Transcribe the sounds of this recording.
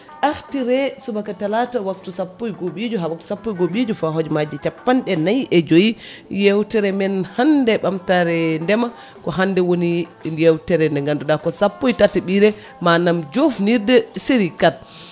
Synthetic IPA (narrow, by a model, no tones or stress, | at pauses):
ʔahtiɾɛsubakatalatawaktusapːojɡoɓid͡ʒuɦawak̚tu̥sapːojɡoɓid͡ʒufaɦod͡ʒmad͡ʒit͡ʃapːanɗɛnajʔɛd͡ʒojijɛwtɛɾɛmɛnhandɛɓamtaɾɛndɛma | kɔɦandɛwonijɛwtɛɾɛndɛŋɡanduɗakɔsapːojtatɛɓiɾɛ | manamd͡ʒofniɾdɛsiɾikal